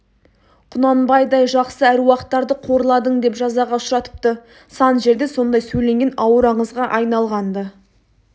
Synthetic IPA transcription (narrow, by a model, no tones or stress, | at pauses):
qʰʊnɑnbɑjd̪ɑjʒɑqsəæɾwɑqət̪ːɑɾd̪əqʰo̞ɾəlˠɑd̪əɴd̪e̞pʒɑzɑʁɑʊʃɾɑt̪ə̥p̚t̪ə | sɑnʒe̞ɾd̪e̞so̞nd̪ɑjsɵjle̞ŋɡʲe̞nɑwəɾɑɴəzʁɑʔɑjnɑlˠʁɑnd̪ə